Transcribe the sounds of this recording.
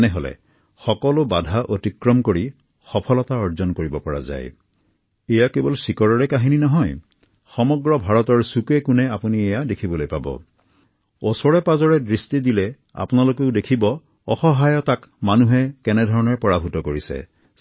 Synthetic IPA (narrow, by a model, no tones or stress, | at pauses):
nɛɦɔlɛ̰ | xɔkɔlʊbadʱaʔotikɹɔmkoɹi | xɔpʰɔlɔtaɔɹzɔnkoɹibɔpɔɹa̰za̰j | ejakebɔlsikɔɹɔɹɛkaɦininɔɦɔj | xɔmɔɡɹɔbʱaɹɔtɔɹsukɛkʊnɛapuniejadekʰibɔlojpabɔ̰ | ɔsɔɹɛpazɔɹɛdɹistidilɛ | a̰pʊnalokeʊdekʰibɔ | ɔxɔɦajɔtakmanuɦɛkɛnɛdʱɔɹɔnɔɹpɔɹabʱutɔkoɹisɛ̰